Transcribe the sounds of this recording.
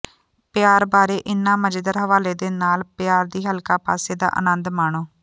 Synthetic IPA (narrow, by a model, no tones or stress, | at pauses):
pɪjaːɾbaːɾeːʔɪnːãːməd͡ʒd̪əɾɦəʋaːleːd̪eːnaːlpjaːɾd̪iːɦəlkaːpa̰ːseːd̪a̰ːʔə̰nənd̪maːɳ̃oː